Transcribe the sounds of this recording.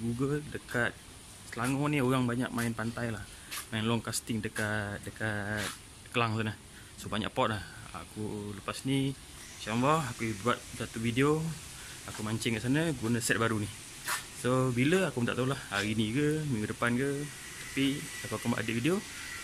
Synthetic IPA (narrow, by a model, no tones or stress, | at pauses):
ɡuɡəldəkat̪̚ | səlaŋɔnioɣaŋbaɲa̰k̚maɪnpant̪ajlah | maɪnlɔŋkast̪ɪŋdəkat̪̚dəkat̪̚ | kəlaŋs̬anə | sobaɲa̰ʔpɔt̪̚laha̰kuləpasni | sanbɔakubuat̪̚sat̪uvideo | akumaɲt͡ʃɛŋkaʔsanəɡunəsɛt̪̚baɾuni | sobiləakumənt̪aʔt̪aulahaɾinikəmiŋɡudəpankə | t̪ḁpiakuakumbaʔa̰dəʔvidio